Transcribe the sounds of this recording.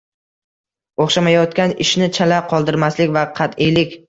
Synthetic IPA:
oχʃamajɒt̪kʲanɪʃnɪt͡ʃʰalaqʰɒlˠd̪ɪɾmaslɪkʲvaqʰɑt̪ɪjlɪkʲ

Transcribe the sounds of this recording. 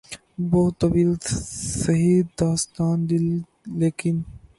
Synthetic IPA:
boːt̪ɐwiːlsɐɦid̪aːst̪aːnd̪ilː | eːkin

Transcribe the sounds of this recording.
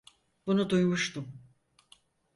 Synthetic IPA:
b̥unud̪ujmuʃt̪ʰum

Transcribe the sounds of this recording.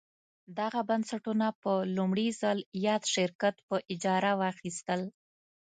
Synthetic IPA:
d̪aɣabansaʈunapəlumɽizəljɑd̪ʃɪɾkat̪pəʔɪd͡ʒɑɾawɑxist̪əl

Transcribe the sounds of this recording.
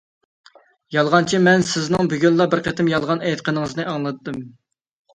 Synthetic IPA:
jɑlˠʁɑnt͡ʃʰimɛnsɪznɨŋbyɡʲynlˠɑbɪɾqʰet̪ʰɪmjɑlˠʁɑnɛjt̪̚qʰənɨŋəznɨɑŋlˠɨt̪ːɨm

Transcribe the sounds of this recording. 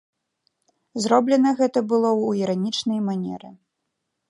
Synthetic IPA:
zɾɔblʲɛnɐɣɛt̪ɐbɨlˠɔwiɾanʲit͡ʂnɐjmanʲɛ̰ɾɨ̰

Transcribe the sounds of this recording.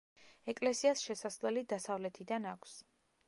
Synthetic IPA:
ɛkʼlɛsiasʃɛsaslɛlid̪asavlɛt̪ʰid̪anakʷʰs

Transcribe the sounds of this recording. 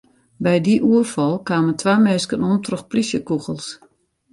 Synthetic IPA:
bɛjdiʔuəfɔlˠkwaːməntʰwaːmeːskənuəntrəxplisjəkuɣəlˠs

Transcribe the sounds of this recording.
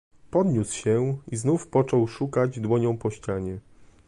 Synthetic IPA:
pɔd̪ɲusɕɛiznufpɔt͡ʂɔwʂukad͡ʑd̪wɔɲɔ̃w̃pɔɕt͡ɕaɲɛ

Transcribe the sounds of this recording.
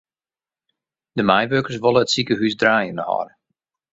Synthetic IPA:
dəmajʋøːkərs̬ʋolˠəətsikəɦysdraːjənəhɔ̰r

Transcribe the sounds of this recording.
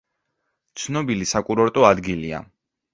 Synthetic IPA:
t̪sʰnɔbilisakʼuɾɔɾt̪ʼɔad̪ɡilia̰

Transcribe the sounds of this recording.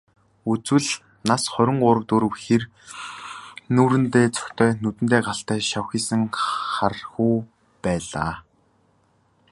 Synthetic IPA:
ut͡swɘ̆ɮ | nasχœɾʲɪ̆ŋɢʊɾə̆wt̪uɾə̆wxer | nuːɾɘ̆nt̪eːt͡sʰœ̥kʲt̪ʰœːnut̪ɘ̆nt̪eːɢaɬt̪æːʃawxiːsɘ̆ŋχarxuː | pæːɮa̰ː

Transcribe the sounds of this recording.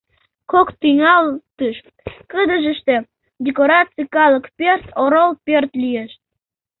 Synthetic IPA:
kokt̪yŋɑlt̪əʃ | kəd̪əʒə̆ʃt̪e | dʲekoɾɑt͡sɨjkɑləkpʲert̪oɾolˠpʲørt̪lʲijeʃ

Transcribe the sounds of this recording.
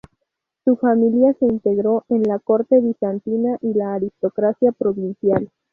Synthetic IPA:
sufamiljase̞int̪e̞ɣɾo̞ʔe̞nlako̞ɾt̪e̞βisant̪inaʔilaːɾist̪o̞kɾasjapɾo̞βinsjal

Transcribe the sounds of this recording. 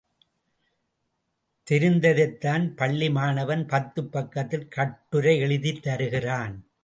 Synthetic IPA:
t̪ɪɾɯnd̪ɐðɐɪt̪ːaːnpɐɭːɪmaːnɐʋɐnpɐt̪ːɯpːɐkːɐt̪ːɪlkɐʈːɯɾɐɪɛɭɯðit̪ːɐɾɯɣɪraːn

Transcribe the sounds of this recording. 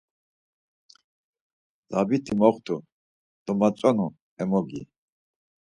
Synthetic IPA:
zabit̪ʰimɔχt̪ʰu | d̪̥ɔmat͡sʼɔnu | ɛmɔɡḭ

